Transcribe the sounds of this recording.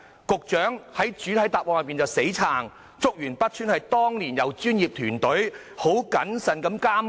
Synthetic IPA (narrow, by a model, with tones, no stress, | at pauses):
kʊ˨k̚t͡ʃœː˨˥ŋhɐ˨˥jt͡ʃyː˨˥t̪ʰɐ˨˥jt̪aː˨p̚wɔː˨kjɐ˨pi˨nt͡sɐ˨˧wse˨˥jt͡sʰaː˨˩ŋ | t͡sʊ˥k̚jyː˨˩npɐ˥t̚t͡ʃʰyː˥nhɐ˨jt̪ɔː˥ŋliː˨˩njɐ˨˧wt͡ʃyː˥njiː˨p̚t̪ʰyː˨˩nt̪ɵ˨˥ɥ | ho˨˥wkɐ˨˥nsɐ˨˩nkɐ˨˥mkaː˥m